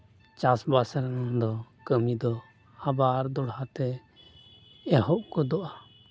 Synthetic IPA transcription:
t͡ʃasbasaɾanɔnd̪ɔkəmid̪ɔ | abaɾd̪ɔɽhat̪ɛ | ɛɦɔʔkɔd̪ɔʔa

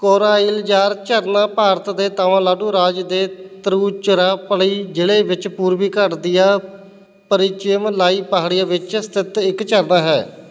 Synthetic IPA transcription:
koːɾaːiːld͡ʒaːɾt͡ʃəɾnãːpaːɾt̪d̪eːt̪aːʋãːlaːɖuːɾaːd͡ʒd̪eːt̪əɾuːt͡ʃəɾaːpəɽiːd͡ʒeːɽeːʋɪt͡ʃpuːɾʋiːkəʈd̪ɪjaː | pəɾɪt͡ʃɪmlaːiːpaɦɽɪjaːʋɪt͡ʃst̪ʰɪt̪ɪkt͡ʃəɾnaːɦɛ̰ː

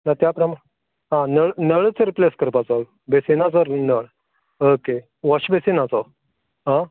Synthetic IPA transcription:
nat̪japɾəma | ɦãnəɭnəɭt͡səɾipleskəɾpat͡sɔ | besenat͡səɾnəɭ | oke | ʋɔɕbesenat͡sɔ | ɦã

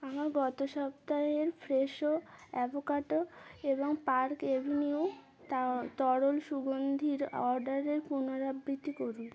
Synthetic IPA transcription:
amaɾɡɔt̪oʃɔpt̪aɦeɾfʰɾeʃoɛbokaʈoeboŋpaɾkebʱiniu | t̪at̪ɔɽolʃuɡond̪ʱiɾɔɾɖaɾeɾpunoɾabɾit̪ːikoɾun

